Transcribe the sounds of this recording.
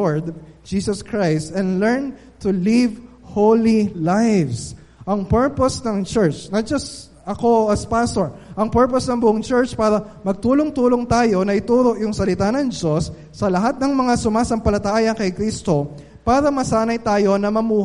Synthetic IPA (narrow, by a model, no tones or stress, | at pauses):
oɹd̪d͡ʒiːsɐskɹajst̪ɛ̃nlɛɹn | t̪ʊliv | howlilajvs | ʔɐŋpɛɹposnɐŋt͡ʃɛɹt͡ʃnɐt̪̚d͡ʒɐst̪ | ɐko̞ɐspast̪oɹʔɐŋpɛɹposnɐŋbʊʔoŋt͡ʃɛɹt͡ʃpaːɾɐ | mɐɡ̚t̪uːloŋt̪uːlo̞ŋt̪aːjo̞nɐʔɪt̪uːɾo̞ʔjʊŋsɐlɪt̪anɐŋd͡ʒosː | ɐlɐɦat̪̚nɐŋmɐŋasʊmaːsɐmpɐlɐt̪aːjɐkɐjkɾist̪o̞ | paːɾɐmɐsaːnɐjt̪aːjo̞nɐmɐmuːh